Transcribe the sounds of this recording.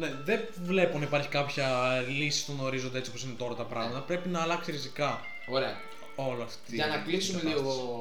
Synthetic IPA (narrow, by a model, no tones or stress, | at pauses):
ne̞ðe | vle̞ponɐipɐɾçikɐpçɐlisi̥spuɣno̞ɾizo̞nd̪ee̞t͡siopo̞sine̞t̪o̞ɾɐt̪ɐpɾɐɣmɐt̪ɐpɾe̞pinɐːlɐksiɾizikɐ | oɾeɐ | o̞loɐfɐnɐklisumelioo